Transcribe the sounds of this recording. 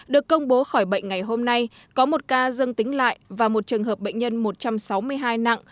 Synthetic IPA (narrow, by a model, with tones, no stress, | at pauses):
ɗɨ˨˩əkːə˧wŋ͡mɓo˨˦xɔː˧˩jɓə̰˧˨jŋ̟ŋa˨˩jɦo˧mna˧j | kɔ˨˦mo˨˩t̚kaː˧zə˧ŋt̪ï˨˦ŋ̟la̰ː˧˨jvaː˨˩mo˨˩t̚t͡ɕɨ˨˩əŋɦəː˨˩p̚ɓə̰˧˨jŋ̟ɲə˧nmo˨˩t̚t͡ɕa˧msa˨˦wmɨ˧əjɦaː˧jna̰˧˨ŋ